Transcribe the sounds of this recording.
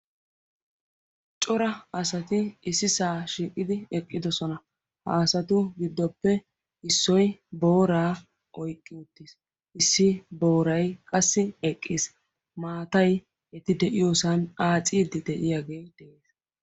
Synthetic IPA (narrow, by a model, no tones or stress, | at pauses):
t͡ʃʼɔɾɐɐsɐt̪ɪɪsɪsaːʃiːkʼːɪd̪ɪɛkʼːɪd̪ɔsɔnɐ | hɐ̰ːsɐt̪ʊɡɪd̪ːɔpːɛ | ɪsːɔjbo̞ːɾaː | ʔɔjkʼːɪʊt̪ːis | ʔɪsːɪbo̞ːɾɐjkʼɐsːɪɛkʼːis | maːt̪ɐj | ɛt̪ɪd̪ɛʔɪjoːsɐnaːt͡sʼiːd̪ɪd̪ɛʔɪjaːɡe̞ːd̪̥ɛʔeːs